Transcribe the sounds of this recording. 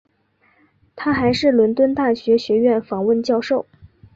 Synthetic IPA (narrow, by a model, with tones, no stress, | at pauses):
t̪ʰa˥xa˧˥ɪʂɻ̩˥˩lwə˧˥nt̪wə˥nt̪a˥˩ɕɥɛ˧˥ɕɥɛ˧˥ɥɛ˥˩nfɑ˧˥ŋwə˥˧nt͡ɕjɑ˥˧ʊʂo˥˩ʊ